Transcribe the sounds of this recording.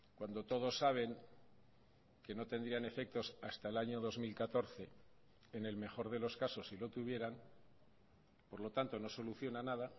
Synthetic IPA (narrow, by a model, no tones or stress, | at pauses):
kwand̪o̞t̪o̞ð̞o̞sːaβ̞e̞ŋ | ke̞no̞t̪e̞nd̪ɾiane̞fe̞k̚t̪o̞sast̪aelaɲo̞ðo̞zmilkat̪o̞ɾθe̞ | ene̞lme̞χo̞ɾðe̞lo̞skaso̞sːilo̞t̪uβ̞je̞ɾan | po̞ɾlo̞t̪ant̪o̞no̞so̞luθjo̞nanaða